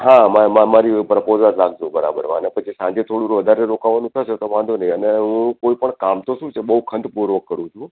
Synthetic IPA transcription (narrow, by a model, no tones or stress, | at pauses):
ɦãmamə̃maɾipɾəpozalaɡd͡ʒõbəɾa̰bə̰ɾʋa̰nepət͡ʃʰisãɲd͡ʒet̪ʰoɽũɾʋəd̪ʱaɾeɾokaʋanũt̪ʰəʃet̪oʋãnd̪onəĩəneɦũkoipəɳkamt̪oʃũt͡ʃʰebəɦukʰənd̪puɾʋəkːəɾũt͡ʃʰũ